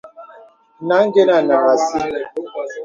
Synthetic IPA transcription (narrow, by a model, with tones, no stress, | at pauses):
na˨˦ŋ̩˦ɡe˦na˨na˨ma˨si˦